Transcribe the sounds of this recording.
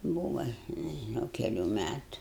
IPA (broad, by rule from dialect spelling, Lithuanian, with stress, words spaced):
ˈbuːʋɐ nʲɛʒʲɪˈnɐʊ kʲɛˈlʲuː ˈmʲætʊ